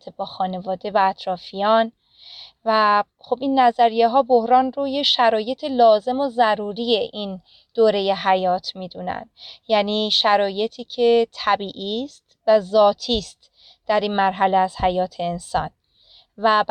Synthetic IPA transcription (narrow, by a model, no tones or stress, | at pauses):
t̪ʰebɒːxɒːne̞vɒːd̪e̞væːt̪ʰɾɒːfijɒːn | væ | xobinːæzæɾije̞ɦɒːbo̞hɾɒːnrojeʃæɾɒːje̞t̪ʰelɒːze̞mozæɾuːɾije̞ʔin | d̪̥oːɾe̞je̞ɦæjɒːt̪ʰmiːd̪unæ̰nd̪̥jæːniːʃæɾɒːje̞t̪ʰiːcʰe̞t̪ʰæbiːʔiːst̪væzɒːt̪ʰiːst̪ | d̪̥æɾiːnmæɾɦæleæz̥hæjɒːt̪ʰeːnsɒːn | væb